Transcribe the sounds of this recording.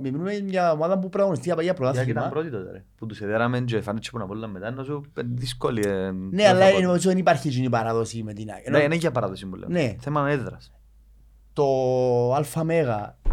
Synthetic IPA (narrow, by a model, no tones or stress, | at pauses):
meminumeɲɐomaðɐpupɾɐɣonist̪iɐpjɐpɾot̪ɐmɐpɾot̪it̪ot̪eɾeput̪useðeɾɐmend͡ʒoefɐnd̪it͡ʃʰːi̥punɐpoluːɐmːet̪ɐnːɐsuðiskolienealːɐniɐis̬oðenipɐɾçisunipɐɾaðosimet̪ina̰enneʝɐpɐɾɐðosimbulḛneθemɐnɐeðɾɐs | t̪oalfɐmeɣɐ